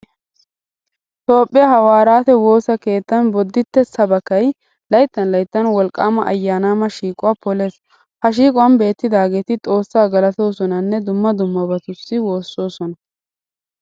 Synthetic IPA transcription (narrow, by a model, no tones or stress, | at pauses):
t̪o̞ːpʼːɪjɐhɐwaːɾaːt̪ɛwo̞ːsɐke̞ːt̪ːɐnbɔd̪ːɪt̪ːɛsɐbɐkɐj | lɐjt̪ːɐnlɐjt̪ːɐnwɔlkʼːaːmɐʔɐ̰jːaːnaːmɐʃiːkʼʊaːpɔle̞ːs | hɐʃiːkʼʊwɐnbe̞ːt̪ːɪd̪aːɡe̞ːt̪ɪt̪ʼo̞ːsːaːɡɐlɐt̪o̞ːsɔnɐnːɛd̪ʊmːɐd̪ʊmːɐbɐt̪ʊsːɪwo̞ːsːo̞ːsɔnɐ